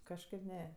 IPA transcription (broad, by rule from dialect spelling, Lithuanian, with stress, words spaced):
kɐʃˈkɐɪp ˈnʲɛ